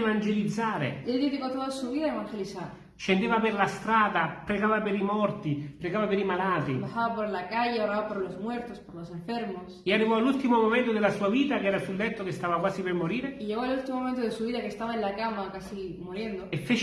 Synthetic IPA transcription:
vand͡ʒelid̪zːaːɾḛeld̪ifikot̪oðasuβiðaeβaŋxeliθaɾ | ʃend̪eːvapeɾlast̪ɾaːd̪apɾeɣaːvapeɾimɔrt̪ipɾeɡaːvapeɾimalaːt̪ibasaβapoɾlakaʝeoɾaβapoɾlozmwe̞ɾt̪ospoɾlosẽɱfeɾmosearːivɔalult̪imomomẽnt̪od̪elasuaviːt̪akɛːɾasulːet̪ːokest̪avakwaːsipermoɾiːɾeiʝeɣoelult̪imomomẽnt̪oðesuβiðakest̪aβaenlakamakasimoɾjend̪oefːet͡ʃ

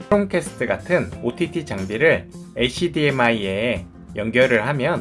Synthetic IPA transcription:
ɾoŋkʰesʰɯ̥tʰɯɡatʰɯnotʰitʰit͡ɕaŋbiɾɯɭeɕ͈ʰidiemaie | jʌŋɡjʌɾɯɭɦamjʌn

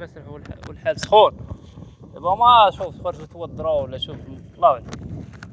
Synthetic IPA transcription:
məsɾħwəlħalsˤxun | əbæmæʃuffɑɾˤʒt̪wɑd̪ˤːɾˤɑwəlːæʃuflˤːɑwl

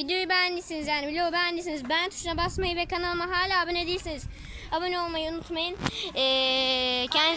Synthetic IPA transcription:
id̪jojubænd̪ʲisinizjaːnibilʲijobænd̪is̬inizbænt̪ʰu̥ʃunabasmajɯvɛkʰanalˠmaɦaːlʲaːbɯned̪ijilʲsiniz̥ | abano̞lˠmajɯunut̪majɯnɛː | cʰɛnd̪i

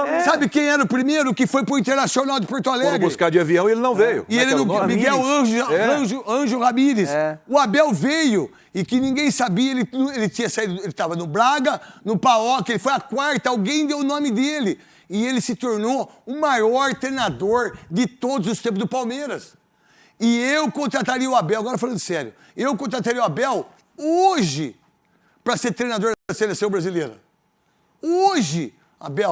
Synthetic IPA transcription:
sabɪkẽj̃ɛɾɐʊpɾimejɾʊkɪfojpɾʊĩnt̪eɾnasionawd̪ɪpoɾt̪oalɛɡbʊɪskaɾd͡ʒɪaviɐ̃w̃ielɪnɐ̃w̃vejʊ̰ɪelɪñmiɡɛwɐ̃ʒɛɐ̃ʒʊɐ̃ʒʊhamiɾɪsɛʊabɛwvejʊ | ɪkɪnĩɡẽj̃sabiɐelɪnelɪt͡ʃ̪ĩɲɐsaid̪ʊelɪt̪avɐnʊbɾaɡɐnʊpaɔkɪelɪfojɐkwaɾt̪ɐawɡẽj̃d̪ewnõmɪd̪elɪ | ɪelɪsɪt̪oɾnoʊmajɔɾt̪ɾejnad̪oɾd͡ʒ̪ɪt̪od̪ʊzʊst̪ẽpʊzd̪ʊpawmeɾɐs | ɪewkõt̪ɾat̪aɾiɐʊabɛwaɡɔɾɐfalɐ̃nd̪ʊsɛɾjʊ | ewkõnt̪ɾat̪aɾiɐʊabɛw | oʒɪ | pɾɐseɾt̪ɾejnad̪oɾd̪ɐselesɐ̃w̃bɾazileɾɐ̰ | oʒɪ | a̰bɛw

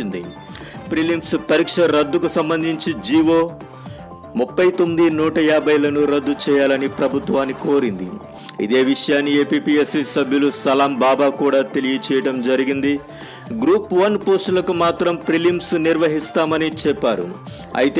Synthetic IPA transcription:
ind̪ḭ | pɾilimspɐɾiːkʂɐɾɐd̪ːukusɐmbɐnd̪ʱiɲt͡ʃid͡ʒiːʋo̞ː | mupːɐjt̪o̞mːid̪inuːʈɐjaːbʱɐjlɐnuɾɐd̪ːut͡ʃɛːjaːlɐnipɾɐbʱut̪ʋaːnːiko̞ːɾind̪ḭ | ḭd̪e̞ːʋiʂɐjaːnːieːpiːpiesisɐbʱjulusɐlaːmbaːbaːkuːɽaːt̪elijɐt͡ʃɛːjɐɽɐmd͡ʒɐɾiɡind̪i | ɡɾuːpʋɐnpoːsʈulɐkumaːt̪ɾɐmpɾilimsniɾʋɐɦist̪aːmɐnit͡ʃɛpːaːɾṵ | ɐ̰jit̪e

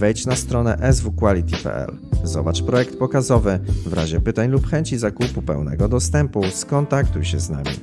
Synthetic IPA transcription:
vɛjt͡ɕnast̪ɾɔnɛʔɛzvukwalʲit̪ʲipɛ̰ɛ̰l | zɔ̰bat͡ʂpɾɔjɛkt̪pɔkazɔvɘvɾʔa̰ʑɛpɘt̪aɲlupxɛɲt͡ɕizakupupɛ̰wnɛ̰ɡɔd̪ɔst̪ɛmpuskɔnt̪akt̪ujɕɛzna̰mʲḭ

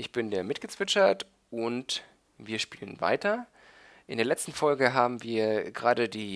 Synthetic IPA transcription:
ʔɪçb̥ɪndeːɐmɪtɡ̥ət͡sv̥ɪt͡ʃɐt | ʔʊnt | viːɐʃpiːlənva̰ɪtɐ | ʔɪ̰ndeːɐlɛt͡stn̩fɔlɡəɦaːbm̩viːɐɡəʁaːdədiː

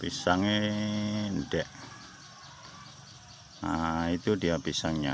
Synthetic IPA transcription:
pisaŋe | nɖɛʔ | ait̪udiapisaŋɲa̰

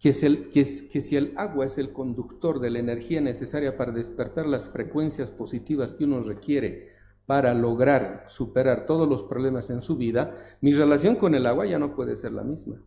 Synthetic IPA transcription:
keselkeskesie̞laɣwae̞se̞lko̞nd̪ukt̪o̞ɾðe̞laene̞ɾxiane̞se̞saɾjapaɾaðe̞spe̞ɾt̪aɾlasfɾe̞kwe̞nsjaspo̞sit̪iβaskeuno̞re̞kje̞ɾe̞̰ | paɾalo̞ɣɾaɾsupe̞ɾaɾt̪o̞ð̞ozlo̞spɾoβle̞mase̞nsuβiðamire̞lasjo̞ŋko̞ne̞laɣwaʝano̞pwe̞ðese̞ɾla̰mizma

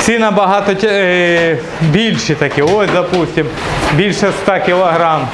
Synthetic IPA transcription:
sɪnɐbɐɦɑt̪ɔ | bʲilʲʃɪt̪ɐkʲɪosʲd̪ɐpusʲtʲim | bʲilʲʃɛst̪ɑkʲɪlˠɐɦɾɑm

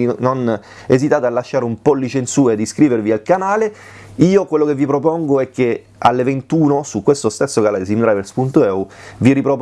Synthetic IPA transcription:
inon | ezit̪aːt̪ealːaʃːaːɾeumpɔlːit͡ʃensuːaed̪ːiskɾiːvervialkanaːle | iːokwelːokevːipɾop̬ɔŋɡoɛk̟ːe | alːevent̪uːnosukwest̪ost̪esːokalasimd̪ɾaveɾspunt̪oɛuviripɾop

